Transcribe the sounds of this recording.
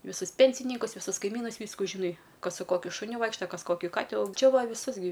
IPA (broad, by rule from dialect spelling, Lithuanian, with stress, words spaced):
ʋʲɪˈsʊs ˈpʲɛnʲsʲɪnʲiːkʊs ʋʲɪsʊs kɐɪˈmʲiːnʊs ˈʋʲiːskʊ ʒʲɪˈnɐɪ ˈkɐs sʊ ˈkoːkʲʊ ʃʊˈnʲʊ ˈʋɐɪkʃtɐ ˈkɐs ˈkoːkʲɪ ˈkɑːtʲɪ ɐʊ ˈt͡ʃʲɛ ˈʋɐ ʋʲɪˈsʊs ɡʲɪ